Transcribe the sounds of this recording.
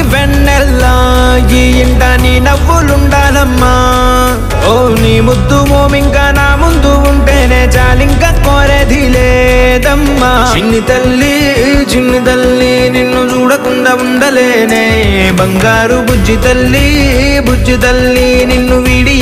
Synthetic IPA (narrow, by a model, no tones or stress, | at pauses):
ʋɛɳː | ɛlːa | ɡijiɳʈaːninɐʋːuluɳɖaːlɐmːa | oː | niːmud̪ːumoːmiŋkaːnaːmund̪uuɳʈeːneːt͡ʃaːliŋkɐkoːɾeːd̪ileːd̪ɐmːat͡ʃinːit̪ɐlːi | t͡ʃinːit̪ɐlːi | ninːut͡ʃuːɽɐkuɳɖɐuɳɖɐleːneː | bɐŋɡaːɾubʱud͡ʒːit̪ɐlːi | bʱud͡ʒit̪ɐlːi | ninːuʋiːɽij